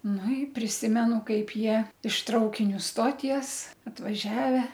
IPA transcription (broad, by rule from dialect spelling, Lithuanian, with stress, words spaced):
nʊ ɪ pʲrʲɪˈsʲɪmʲɛnʊ ˈkɐɪp ˈjiɛ ɪʃ ˈtrɐʊkʲɪnʲʊ ˈstoːtʲiɛs ɐtʋɐˈʒʲæːʋʲɛ